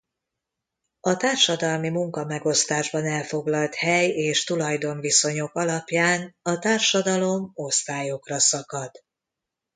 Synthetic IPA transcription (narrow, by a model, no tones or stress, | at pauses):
ɒt̪aːrʃɒd̪ɒlmimuŋkɒmɛɡo̞st̪aːʒbɒnɛlfo̞ɡlɒlt̪hɛjeːʃt̪ulɒjd̪o̞ɱviso̞ɲo̞kɒlɒpjaːnɒt̪aːrʃɒd̪ɒlo̞mo̞st̪aːjo̞krɒsɒkɒd̪̥